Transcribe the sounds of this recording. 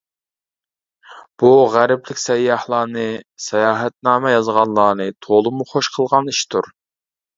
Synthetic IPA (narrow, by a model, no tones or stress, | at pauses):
b̥uʁæɾɪplɪkʲsɛjːɑhlˠɑːnɨsɛjɑːɦɛt̪̚nɑːmɛjɑzʁɑnlˠɑːnɨt̪ʰolˠɨmuχoʃqʰəlˠʁɑniʃt̪ʰuɾ